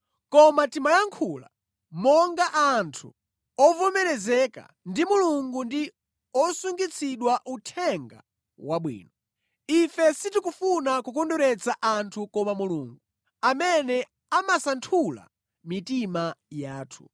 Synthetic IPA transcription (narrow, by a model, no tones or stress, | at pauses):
kɔmatimajaŋkʰula̰ | mɔŋɡaʔantʰu | ɔvɔmɛɾɛzɛka̰ | ndimuluŋɡundi | ɔsuŋɡit͡sʰiɗwaʔutʰɛŋɡa̰ | waɓwḭːnɔ | ifɛsitikufunakukɔndɔɾɛt͡sʰaʔantʰukɔmamuluːŋɡu | amɛnɛ | amasantʰula̰ | mitimajaːtʰu̥